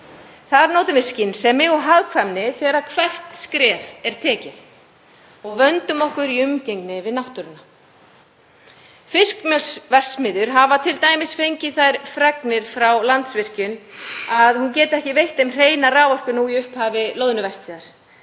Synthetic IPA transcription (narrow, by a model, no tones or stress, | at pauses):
θaðaɾnowt̪ʏnvɪ̥scɪnsɛmːɪɣɔɦaɣkʰvamnɪθɛːɾakʰvɛr̥t̪skɾɛːvɛɾ̥t̪ʰɛːcɪθ | ɔɣvœnt̪ʏmɔhkʏɾiʏmcejŋknɪvɪðnawht̪ʏɾɪna | fɪskmjœlsvɛr̥smɪðʏɾ̥ɦavat̪ʰɪlt̪aːjmɪsfejɲcɪðθajɾfɾɛknɪɾ̥fɾawlant̪svɪr̥cʏnaðhuncɛːt̪ɪɛhcɪvejht̪ɛmr̥eːjnaraːwvɔr̥kʏnuwiʏhphaːvɪloːwðʏnʏvɛr̥st̪ʰiːðaɾ̥